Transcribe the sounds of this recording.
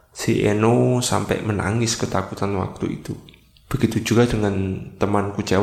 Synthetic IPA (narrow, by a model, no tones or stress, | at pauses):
siʔenosa̰mpɛ̰ʔməna̰ŋɪskət̪akut̪anwa̰k̚t̪uḭt̪u | b̥əɡit̪ud͡ʒuɡ̥adəŋant̪əmankut͡ʃa